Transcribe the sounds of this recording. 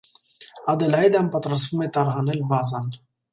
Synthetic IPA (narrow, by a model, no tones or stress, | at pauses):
ɑd̪ɛlɑjd̪ɑmpɑt̪ɾɑst̪vumɛt̪ɑɾɦɑnɛlbɑzɑn